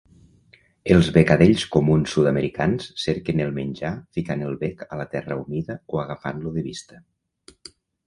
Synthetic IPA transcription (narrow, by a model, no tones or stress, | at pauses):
elˠzβekaðeʎskomunsːuðameɾikansseɾkenelˠmenʲd͡ʒafikanelˠβɛkalat̪ɛrəumiðəoaɣafa̰nluðəβist̪ə̥